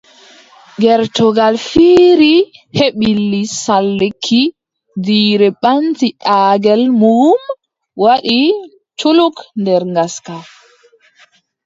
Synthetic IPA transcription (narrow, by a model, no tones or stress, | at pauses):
ɡɛɾtɔɡalfiːɾiheɓilːisalːekʰːi | diːɾɛɓantiʔaːɡɛlmum | waɗi | t͡ʃulukndɛɾŋɡaska